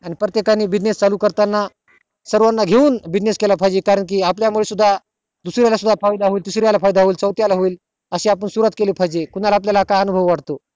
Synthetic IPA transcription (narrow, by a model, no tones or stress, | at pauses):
añipɾət̪jekaniːbid͡ʑnest͡saluːkəɾt̪anːa | səɾʋanːaɡʱeuːnbid͡ʑneskelapʰajd͡ʑekaɾəɳk̬iːapljamuɭesud̪ʱːa | d̪usɾjalasud̪ʱːafajd̪aɦoiːld̪usɾjalafajd̪aɦoiːlt͡səwt̪jalaɦoiːl | əɕeap̬əɳsuɾət̪kelipʰajd͡ʑekun̤alaːp̬ljalakaənubʱəʋʋaɽt̪o